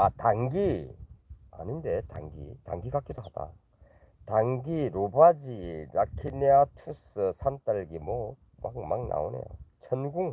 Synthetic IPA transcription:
ataŋɡi | a̰nɯnde̞ta̰ŋɡḭta̰ŋɡiɡak͈ed̪oɦad̥a̰ | taŋɡiɾobad͡ʑiɾakʰineatʰusɯsʰantaɭɡimo | maŋmaŋna̰onḛjo̰t͡ɕʰʌnɡuŋ

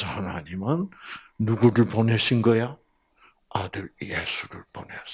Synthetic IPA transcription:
saanaɲimanːuɡuɾɯɭponeɕʰinɡʌja | adɯɭjesʰuɾɯɭpones

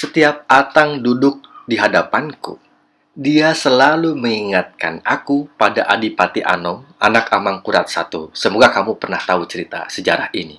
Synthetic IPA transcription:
sət̪iap̚at̪aŋdudʊk̚diɦadapankṵ | diasəlaluməŋiŋat̪̚ka̰nakupadaʔadipat̪iʔa̰nɔma̰nakamaŋkuɾa̰t̪̚sat̪usəmoɡakamupərnaht̪aut͡ʃəɾit̪a̰səd͡ʒaɾahini

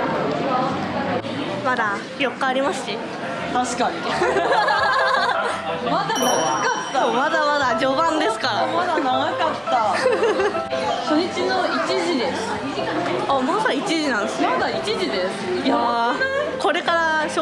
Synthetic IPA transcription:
mad̪a | jo̞kːaːɾʲimasɨ̥ɕi | t̪aɕi̥kaɲi | mad̪anaɡakat̪ːasomad̪amad̪ad͡ʑo̞bãnd̪e̞sɨ̥kaɾamad̪anaɡakat̪ːa | ɕoɲit͡ɕinoit͡ɕiʑid̪e̞sɨ̥ | amosaait͡ɕiʑinãnd̪esɨnmad̪ait͡ɕiʑid̪esɨɨ̥ja | ko̞ɾe̞kaɾaɕo

